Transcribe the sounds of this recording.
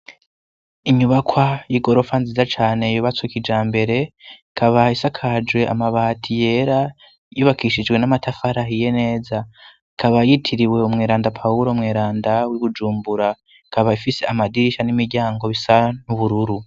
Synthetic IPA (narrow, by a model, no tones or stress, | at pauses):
iɲuβakwajiɡo̞ɾo̞fanziːzat͡ʃaːne̞juβat͡sokid͡ʒaːmbe̞ɾe̞ikʰaβaisakʰad͡ʒwe̞ʔa̰maβaːtʰije̞ɾa | jiβakiʃid͡ʒwe̞namatʰafaɾaɦije̞ne̞ːza | ikʰaβajitʰiɾiwe̞umŋeːɾaːndapʰauɾo̞mŋeːɾaːndawiβud͡ʒuːmbuɾa | ikʰaβaifiseamadiiʃanimiɾɟaːŋɡo̞βisanuβuɾuɾu